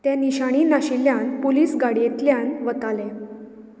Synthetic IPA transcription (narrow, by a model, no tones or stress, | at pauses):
t̪janiɕaɽ̃iːnaɕilːjanpoliːsɡaɽijet̪ljanʋət̪alẽ